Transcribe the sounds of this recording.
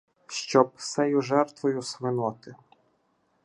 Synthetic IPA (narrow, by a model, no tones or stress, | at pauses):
ʃt͡ʃɔbsɛjʊʒɛrt̪ʋɔjʊsʋɪnɔt̪ɪ